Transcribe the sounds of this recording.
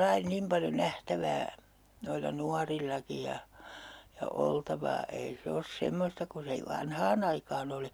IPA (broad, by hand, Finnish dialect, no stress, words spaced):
lɑi nim pɑljo næhtæʋæː noilːɑ nuɑrilːɑki jɑ jɑ oltɑʋɑː ei se os semːostɑ ku se i ʋɑnhɑːn ɑikɑːn oli